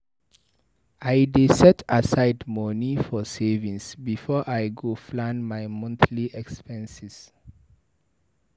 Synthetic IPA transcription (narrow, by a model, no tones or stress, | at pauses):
ajdesɛtʰasaɪdmɔnifɔsevĩŋsbifɔʔajɡoflãnmajmɔ̃nθliʔɛkspɛ̃nsis